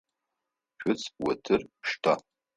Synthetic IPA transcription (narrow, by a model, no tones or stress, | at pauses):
ʃᶣʊt͡sʰwatʰɨrʃtʰa